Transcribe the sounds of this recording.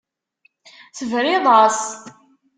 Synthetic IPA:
θəvɾɪðˤɑs

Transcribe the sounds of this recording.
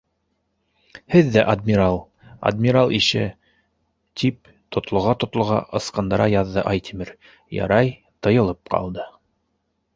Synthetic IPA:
hɘðːæʔɐd̪mʲiɾalˠ | ɐ̰d̪mʲiɾalˠʔiʃɘ | t̪ʰip | t̪ʰŏt̪lˠŏʁɑt̪ŏt̪lˠŏʁɑ̰ʔɤ̆sqɑnd̪ɑɾɑjɑðːɤʔɑjt̪ʰimʲiɾ | jɑ̰ɾɑj | t̪ɤ̆jɤ̆lˠɤp̚qɑ̰lˠd̪ɤ

